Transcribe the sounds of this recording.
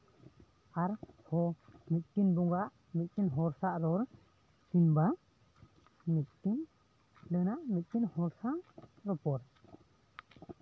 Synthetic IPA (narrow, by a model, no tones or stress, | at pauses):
aɾhɔmit̪̚ʈinbɔŋɡaʔ | mic̪̚tinɦɔɾsaʔɾɔɾ | sinba | mit̪̚ʈin | ɖənaʔmit̪̚tinhɔɾsaʔɾɔpɔɾ